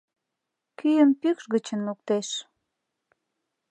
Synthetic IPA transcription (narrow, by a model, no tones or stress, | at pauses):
kyjəmpykʃɣət͡ɕənluk̚t̪eʃ